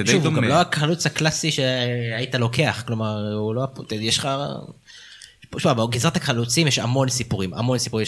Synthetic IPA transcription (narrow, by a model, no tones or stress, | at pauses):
ʃuvomɡammloakalut͡shaklasiʃeait̪alo̞ke̞aχklo̞maʁuloapt̪ijeʃχa | ʃumabeɡizʁat̪akalut͡simjeʃa̰mo̞nsipuʁima̰mo̞nsipuʁim